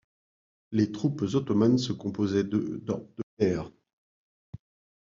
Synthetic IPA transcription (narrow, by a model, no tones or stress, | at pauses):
let̪χupzɔt̪ɔmansəkɔ̃pozɛd̪d̪ɔd̪̥ət̪ɛːʁ